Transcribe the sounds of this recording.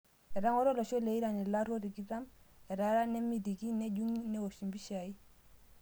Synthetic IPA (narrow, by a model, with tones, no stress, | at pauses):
ɛ˨ɾa˦ŋɔ˦ɾɔ˦lɔ˨ʃɔ˦le˨i˦ɾa˨nɛ˨la˦ɾo˦ɾi˨ki˦ɾa˦mɛ˨ɾa˦ɾa˦nɛ˦mi˦˨di˨ki˦nɛ˦ɟu˦ŋnɛ˦wo˨ʃi˨mbi˦ʃa˨i˦